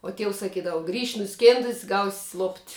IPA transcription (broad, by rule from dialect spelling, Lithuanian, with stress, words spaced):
uɔ ˈtʲiɛʊs sɐˈkʲiːdɐʋɐ ɡrʲiːʃʲ nʊˈsʲkʲeːndʊsʲ ɡɐʊsʲ lˠoːpʲtʲ